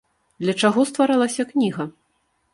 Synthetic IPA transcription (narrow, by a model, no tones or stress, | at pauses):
d̪lʲɐt͡ʂaɣɔst̪vaɾalˠɐsʲɐknʲiɣɐ